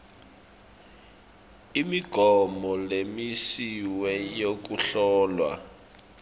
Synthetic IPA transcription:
imiɡ̥ʱɔmɔlemisiwɛjok̬uɬɔːlwa̰

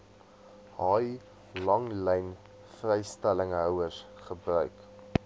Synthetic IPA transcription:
hɑj | lɐŋlɛjn | frɛjstæləŋɦœwərsχəbrœɥk

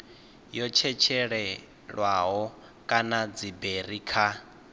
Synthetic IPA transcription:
jɔt͡ʃʰɛt͡ʃʰɛɺɛ | ɺwaɦɔ | kʼanad͡ziberikʰa

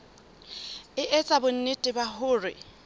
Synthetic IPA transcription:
ɪʔet͡sʼabʊn̩nɪtʼɪbahʊːrɪ̰

